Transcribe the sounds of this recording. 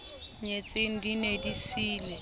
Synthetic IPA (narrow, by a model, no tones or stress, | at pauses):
ɲet͡sʼɪŋ̩dinedisiːlɛ